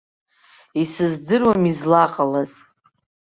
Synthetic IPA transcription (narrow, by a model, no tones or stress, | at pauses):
isɨzdɨrwamizlaqʼalaz